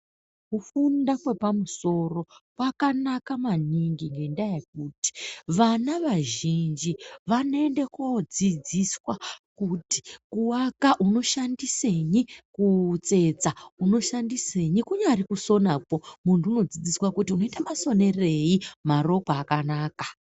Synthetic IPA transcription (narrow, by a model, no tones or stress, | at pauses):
kufundakwe̞pamuso̞ro̞kwakanakamaniŋɡiŋɡe̞ndajek̚uːti̥ʋanaʋaʒind͡ʒiʋane̞nde̞kod͡zid͡ziswakuti̥kuwakaʔuno̞ʃandise̞ɲikut͡se̞t͡sauno̞ʃandiseɲikuɲaɾikuso̞napo̞muntuːno̞d͡zid͡ziswakutiuno̞itamaso̞ne̞re̞jimaro̞kwaːkanaːkḁ